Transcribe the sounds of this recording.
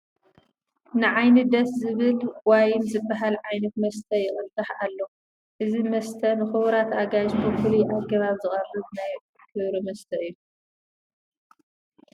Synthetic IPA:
nɨʕajnɨd̪ɐszɨβɨlwajɪmzɨbːaɦalʕajnɐt̪mɐst̪ʰɐjɪχʼɨlt̪ʼɨħalːo | ʔɨzimɐst̪ʰɐnɨxɨβɾat̪aɡaʃt̪ʰufɨlujʔaɡɐβaβzɨχʼɐrɨβnaj | kʰɨβɾimɐst̪ʰɐɨjːu

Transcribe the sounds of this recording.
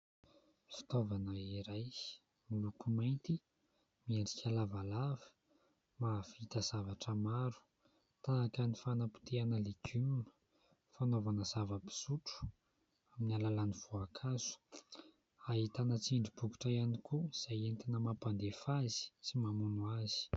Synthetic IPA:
fi̥t̪ovanəiɾaj | milukumajnt̪i | mieɖ͡ʐikʰʲalavalavi̥ | mavit̪əz̥avaʈ͡ʂəmaɾu̥ | t̪aːkənifanəpi̥t̪ianəleɡʲymunə̥ | fanovanəzavəpi̥zuʈ͡ʂu̥ | aminialalaniv̥uakʰazu̥ | aɦit̪anət͡siɳɖ͡ʐibuku̥ʈ͡ʂajanikuiz̥ajent̪inəmapand̪efazi̥t͡simamunuazi̥

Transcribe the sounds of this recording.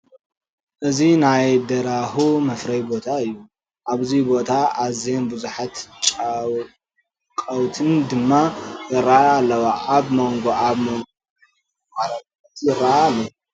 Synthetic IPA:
ʔɨzinajd̪ɐɾahumɐfɾɐjbo̞t̪ʰaɨjːu | ʔaβzibo̞t̪ʰaazenbuzuħat̪t͡ʃʼaw | kʼɐwt̪ʰɨnd̪ɨmːazɨɾːaːlːɐwaʔaβmoŋɡoaβmoŋɡ | maɾɐtʼ | ɐt̪jɪrːaalːo

